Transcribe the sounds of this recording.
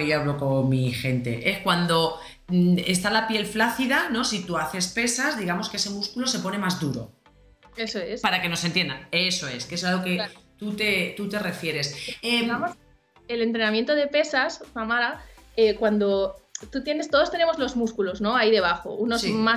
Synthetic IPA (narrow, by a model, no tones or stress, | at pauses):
ejaβlo̞ko̞ŋmixe̞nt̪e̞̰ʔe̞skwand̪o̞ | ḛst̪alapje̞lflaθiðano̞sit̪uaθe̞spe̞sazðiɣamo̞skeese̞muskulo̞se̞po̞ne̞mazðuɾo̞̰ | esoespaɾake̞no̞se̞nt̪je̞nd̪aeso̞e̞skesalɣoke̞t̪ut̪e̞t̪ut̪e̞re̞fje̞ɾe̞se | ele̞nt̪ɾenãmje̞nt̪oð̞e̞pe̞saspamaɾaekwand̪o̞t̪ut̪je̞ne̞st̪oðot̪e̞ne̞mo̞zlo̞zmuskulo̞zno̞aiðe̞β̞axo̞̰unozma